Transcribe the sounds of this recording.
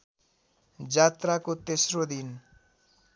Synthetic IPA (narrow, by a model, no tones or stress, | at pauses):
d͡zat̪rakot̪esrod̪in